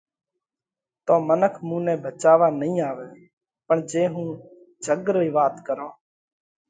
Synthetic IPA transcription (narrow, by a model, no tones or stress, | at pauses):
t̪oːmənəkʰmũːnɛ̃ːbət͡ʃaːʋaːnəɦĩːaːʋeː | pəɳd͡ʒeːɦũː | d͡ʒʱəɡɾoːiːʋaːt̪kəɾõː